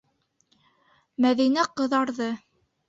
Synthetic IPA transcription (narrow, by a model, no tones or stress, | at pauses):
mæðinæqɤ̆ðɑɾðɤ